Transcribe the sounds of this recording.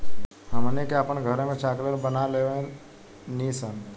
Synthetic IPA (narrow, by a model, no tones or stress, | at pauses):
həmənekeapənɡʱəɾẽmẽt͡ʃaːklelbənaleʋẽ | nisən